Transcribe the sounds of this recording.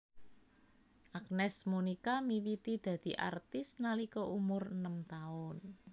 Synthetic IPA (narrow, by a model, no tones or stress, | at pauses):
ʔak̚nɛsmunikamiwit̪id̪̥ä̤d̪̥i̤ʔa̰rt̪ɪsnalikɔʔumʊrənəmt̪aʊn